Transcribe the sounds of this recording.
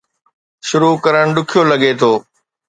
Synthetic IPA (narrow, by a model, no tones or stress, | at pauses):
ʃʊɾukɐɾəɽ̃ɗʊkʰijolɐɡet̪ʰoː